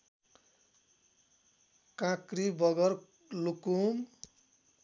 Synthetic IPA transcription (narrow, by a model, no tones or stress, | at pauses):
kãkɾibʌɡʌr | lukum